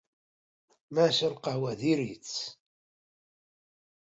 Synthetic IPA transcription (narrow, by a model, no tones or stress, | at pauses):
maʃəɾqɑhwæðiɾit͡sː